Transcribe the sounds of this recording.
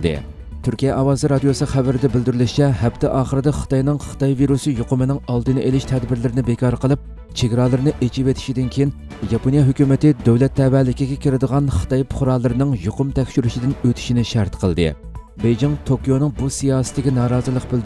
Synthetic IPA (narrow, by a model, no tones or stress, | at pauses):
d̪ɨ̰ | t̪ʰyɾkʲijɛʔɑwɑːzɨɾɑd̪ijosɨχævæɾɪd̪ɛbɪld̪yɾylɪʃt͡ʃʰɛɦɛp̚t̪ʰɪʔɑːχəɾɨd̪ɑχə̥t̪ɑjnɨŋχə̥t̪ɑjviɾusɨjoqʊmɨnɪŋɑlˠd̪ɨnɨʔelɪʃt̪ʰɛd̪bɪɾlɪɾɪnɪbekʰʲɑɾqʰəlˠɨp̚ | t͡ʃʰeɡʲɾɑlˠɨɾɨnɨʔet͡ʃʰivet̪ʰɪ̥ʃid̪ɪnkʲʰejin | jɑponjɑɦøkʲymɪt̪ɪd̪øwlɛt̪ʰːɛvælɪkʲiɡʲɛkʲʰɪɾɪd̪əʁɑnχə̥t̪ɑjpʰʊ̥χʊɾɑlˠːɨɾɨnɨŋjoqʊmt̪ʰɛkʲʃyɾyʃid̪ɪnøt̪ʰy̥ʃinɪʃæɾt̪qʰəlˠd̪ɨ̰ | bejd͡ʒɪŋt̪ʰokʲijonɨŋbusijɑːsɪ̥t̪ːɪkʲinɑːɾɑːzɨlˠəqbɪld̪